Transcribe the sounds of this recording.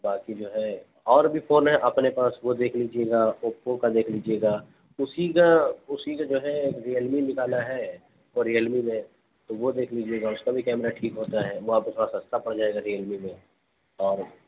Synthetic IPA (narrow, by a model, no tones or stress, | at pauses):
baːkid͡ʒoːɦɛ | ɔːɾbʱifʰoːnɦɛ̃ʔɐpnepaːsʋod̪eːkʰlid͡ʒieːɡaːopõkad̪eːkʰliːd͡ʒieɡaː | ʊsikaʊsikad͡ʒoːɦɛeːkɾiəlminɪkaːlaɦɛ | ʋoɾiəlmimẽ | t̪oʋod̪eːkʰliːd͡ʒieːɡaʊskabʱikɛːmɾaʈʰiːkɦoːt̪aɦɛʋoaːp̚t̪ʰoːɽasɐ̃st̪apɐɽd͡ʒaːeɡaɾiəlmimẽ | ɔːɾ